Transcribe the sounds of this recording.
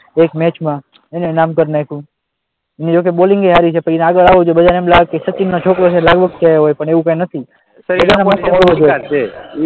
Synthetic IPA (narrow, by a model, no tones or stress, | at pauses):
ekmɛt͡ʃmã | enenamkəɾnaekũ | ened͡ʒok̬eboliŋɡeɦaɾit͡ʃʰepəineaɡəɭaʋod͡ʒoebəd̪anemlakesət͡ʃinːot͡ʃʰokɾot͡ʃʰelaɡʋəɡ̚t̪ʰaɦojpəɳeʋũkãjnət̪ʰi | bəd͡ʒanaasʰoɦoɭʋod͡ʒo